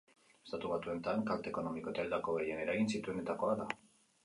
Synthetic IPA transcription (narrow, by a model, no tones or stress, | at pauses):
est̪at̪uβat̪ue̞nt̪aŋkalt̪eko̞no̞miko̞et̪aeld̪ako̞ɣe̞je̞ne̞ɾaɣinsit̪ue̞ne̞t̪ako̞aða